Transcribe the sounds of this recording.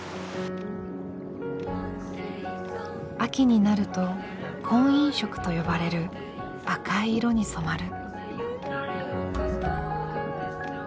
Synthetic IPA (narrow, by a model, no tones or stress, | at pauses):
akʲiɲ̟inaɾɯ̟t̪o̞ | kʰõ̞ɰ̃ĩɰ̃ɕo̞kɯ̟̥t̪o̞jo̞baɾe̞ɾɯ̟ | akaiɾo̞ɲ̟iso̞maɾɯ̟